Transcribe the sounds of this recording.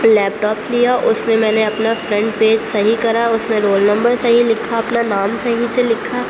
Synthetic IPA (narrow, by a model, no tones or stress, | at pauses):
lɛːp̚ʈɔːplijaʔʊsmẽmɛ̃ːneɐpnafɾɐ̃ɳʈpeːd͡ʒsɐɦikɐɾaʊsmẽɾoːlnɐ̃mbəɾsɐɦilɪkʰaɐpnanaːmsɐɦiselɪkʰaː